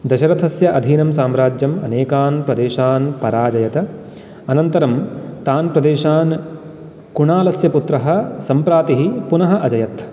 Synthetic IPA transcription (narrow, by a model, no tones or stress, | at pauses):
d̪ɐʃɐɾɐt̪ʰɐsjɐʔɐd̪ʱiːnɐmsaːmɾaːd͡ʒjɐmɐ̰neːkaːnpɾɐd̪eːʃaːnpɐɾaːd͡ʒɐjɐt̪ɐ | ɐnɐnt̪ɐɾɐmt̪aːnpɾɐd̪eːʃaːn | kuɳaːlɐsjɐput̪ɾɐɦɐ̆sɐmpɾaːt̪iɦipunɐɦɐ̆ʔɐd͡ʒɐjɐt̪